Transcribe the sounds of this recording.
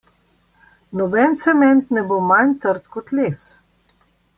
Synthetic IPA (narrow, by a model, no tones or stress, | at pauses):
nɔbɛnt̪sɛmɛnt̪nɛbomant̪əɾt̪kɔt̪leːs